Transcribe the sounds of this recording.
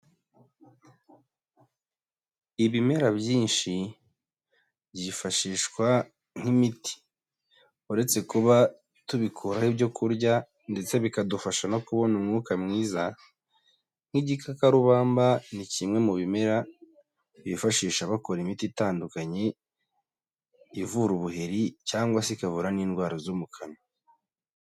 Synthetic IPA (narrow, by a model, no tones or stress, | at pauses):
iβime̞ɾabjiːnʃi | bjɟifaʃiːʃkwa | ŋ̥himiti̥ | uɾe̞t͡se̞kuβa | tuβikʰuɾahibjɟo̞kuɾɟa | nde̞t͡se̞βikadufaʃanokuβo̞numŋuːkamŋiːza | ŋ̥hiɟikʰakaɾuβaːmbanicimŋe̞muβime̞ɾa | βifaʃiːʃaβako̞ɾimititaːndukaɲe̞ | ivuɾuβuheɾicaːŋɡwasekavuɾaniːnɡwaːɾozomukʰano